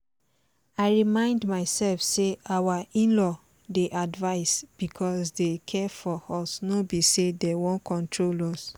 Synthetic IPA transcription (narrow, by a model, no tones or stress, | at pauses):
aɪɹimãɪ̃ndmaɪsɛlfseawaĩnlɔ | deʔadvaɪsb̥ikʰɔsdekʰɛfɔɔsnobisedɛwɔ̃nkʰɔ̃ntɹolɔs